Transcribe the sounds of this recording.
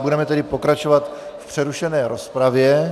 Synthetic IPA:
budɛmɛt̪ɛdɪpo̞kɾat͡ʃovat̪fpr̝̥ɛɾuʃɛnɛːɾospɾavjɛ

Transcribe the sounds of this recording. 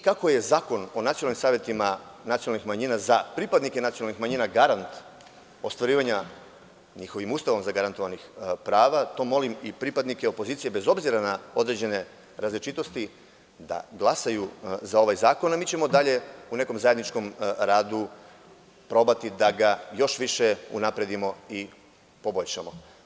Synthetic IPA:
kako̞je̞zaːko̞no̞nat̪ionalnimsaːʋjet̪imanat̪ionalnixmaɲiːnazapɾipad̪nike̞nat̪sionalnixmaɲiːnaɡaɾant̪ | o̞st̪ʋaɾiːʋaɲa | ɲixo̞ʋimuːst̪aʋomzaɡaɾant̪o̞ʋanixpɾaːʋat̪o̞mo̞limipɾipad̪nikeo̞po̞ziːt̪sije̞be̞zo̞bziɾanao̞d̪ɾe̞d͡ʑe̞ne̞ | ɾazlit͡ʃit̪o̞st̪i | d̪a̰ɡlˠasajuzao̞ʋajzaːko̞namiːt͡ɕe̞mo̞d̪aʎe̞une̞ko̞mzaje̞d̪nit͡ʃko̞mɾaːd̪u | pɾo̞bat̪id̪aɡajo̞ʃʋiʃeṵnapɾe̞d̪imo̞i | po̞bo̞ʎʃamo̞

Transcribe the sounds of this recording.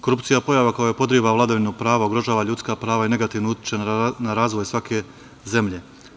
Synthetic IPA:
ko̞ɾupt̪sijapo̞jaʋakojojepo̞d̪ɾiːʋaʋlad̪aʋinopɾaːʋaoɡɾo̞ʒaːʋaʎut̪skapɾaːʋaene̞ɡat̪iʋnout̪i̥t͡ʃanaɾaːzʋo̞jsʋake̞ | ze̞mʎe̞

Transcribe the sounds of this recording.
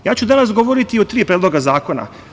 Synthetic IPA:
jaːt͡ɕud̪anasɡo̞ʋoɾit̪iot̪ɾiːpɾeːd̪lˠo̞ɡazaːko̞na̰

